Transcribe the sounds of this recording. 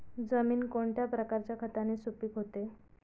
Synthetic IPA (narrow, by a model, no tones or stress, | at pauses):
d͡zəmiːnkoɳʈjapɾəkaɾt͡ɕjakʰət̪anesupiːkɦot̪e